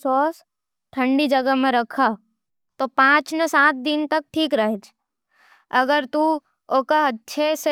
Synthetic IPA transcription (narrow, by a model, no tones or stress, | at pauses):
sɔːs | ʈʰə̃ɳɖid͡ʒɐɡəmẽɾɐkʰa | t̪opãːt͡ʃnesãːt̪̚d̪ɪnt̪ɐk̚ʈʰiːkɾɐɦet͡ʃʰ | ɐɡəɾt̪u | oːkəɐtːʃʰese